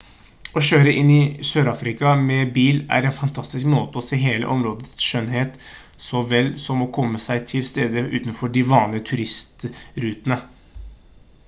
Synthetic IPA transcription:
ɔɕøːɾəʔɪnːɪsøːɾɑːfɾɪkɑmɛbiːlæ̰ɾɛnfɑnt̪ʰɑst̪ɪskmoːt̪əɔseːɦeːlə̰ʔɔmɾoːd̪ət̪sʃœnɦeːt̪ | sɔʋɛlsɔmɔkʰɔmːəsæɪt̪ʰɪlst̪eːd̪əʉ̰ːt̪nfɔɖɪʋɑːnət̪ʰʉɾɪst̪ɾʉːt̪ənə

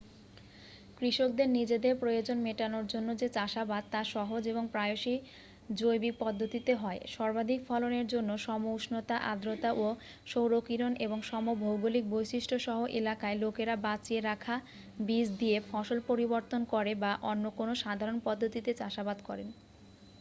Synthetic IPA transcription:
kɾiʃok̚d̪eɾnid͡ʑed̪eɾpɾojod͡ʑonmeʈanoɾd͡ʑonːod͡ʑet͡ɕaʃabad̪̚t̪aʃɔɦod͡ʑeβoŋpɾaeoʃi | d͡ʑojbik̚pɔd̪ʱːot̪it̪eɦɔeʃɔɾbad̪ʱikfʰɔloneɾd͡ʑonːoʃɔmouʃnot̪aʔad̪ɾot̪aʔo | ʃowɾokiɾoneboŋʃɔmobʱowɡolik̚bojʃiʃʈʰoʃɔɦoʔelakaelokeɾabat͡ɕieɾakʰa | bid͡ʑd̪iefʰɔʃolpoɾiboɾt̪onkɔɾebaʔonːokonoʃad̪ʱaɾonpɔd̪ʱːot̪it̪et͡ɕaʃabad̪kɔɾen

